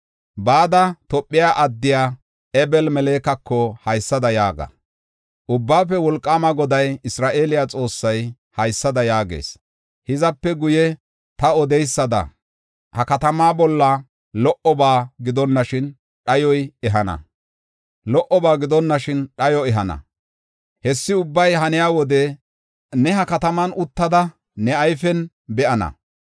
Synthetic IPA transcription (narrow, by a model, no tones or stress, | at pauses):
baːd̪ɐt̪ɔpʼːɪjaːʔɐd̪ːɪjaː | ɛbɛlmɛle̞ːkɐkʰːɔhɐjsːɐd̪ɐjaːɡɐ̰ | ʔʊbːaːfɛwɔlkʼːaːmɐɡɔd̪ɐjɪsɾaːʔe̞ːlɪjat͡sʼo̞ːsːɐj | hɐjsːɐd̪ɐjaːɡḛːs | hɪzɐpːɛɡʊjɛ | t̪ɐɔd̪ɛjsːɐd̪ɐ̰ | hɐkɐt̪ɐmaːbɔlːɐ | lɔʔɔbaːɡɪd̪ɔnːɐʃɪn | ɗɐjɔjɛɦɐnɐ̰ | lɔʔɔbaːɡɪd̪ɔnːɐʃɪnɗɐjɔɛɦɐnɐ̰ | hɛsːɪʊbːɐjɦɐnɪjaːwɔd̪ɛ | nɛhɐkɐt̪ɐmɐnʊt̪ːɐd̪ɐ | nɛɐjfɛn | bɛʔɐnɐ̰